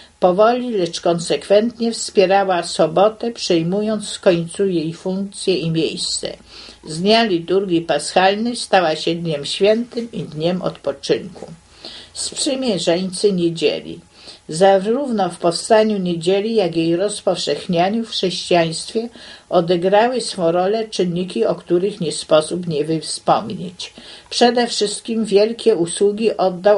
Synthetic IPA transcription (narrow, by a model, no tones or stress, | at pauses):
pɔvɔlʲilɛt͡ʂkɔnsɛkfɛnt̪ɲɛfspʲjɛɾawasɔbɔt̪ɛpʂɛjmujɔnt̪sfkɔɲt̪sujejfuŋk̚t̪sʲjɛimʲjejst̪sɛ̰ | zɲalʲit̪uɾɡʲipasxalnɛst̪awaɕɛd̪ɲɛmɕfʲjɛnt̪ɘmid̪ɲɛmʔɔ̰t̪pɔt͡ʂɘŋku | spʂɘmʲjɛʐɛɲt̪sɘɲed͡ʑḛlʲḭ | zaɾuvnɔfpɔfst̪aɲuɲed͡ʑelʲijaɡʲjejɾɔspɔfʂɛxɲaɲufxʂɛɕt͡ɕijaj̃st̪fʲjɛɔd̪ɛɡɾawɘsfɔ̃w̃ɾɔlɛt͡ʂɘnːikʲiɔkt̪uɾɘxɲɛspɔsupɲɛvɘfspɔmɲḛt͡ɕpʂɛd̪ɛfʂɘst̪̚kʲimvʲjɛlkʲɛuswuɡʲiʔɔd̪ːa